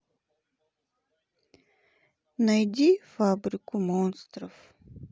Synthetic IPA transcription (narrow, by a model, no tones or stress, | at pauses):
nɐjdʲifabɾʲɪkʊmonst̪ɾəf